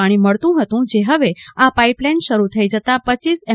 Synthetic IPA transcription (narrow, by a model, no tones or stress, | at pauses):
aɽ̃iməɭt̪ũɦət̪ũd͡ʒeɦəʋeapaiplajnʃəɾut̪ʰəid͡ʒət̪apət͡ʃisɛ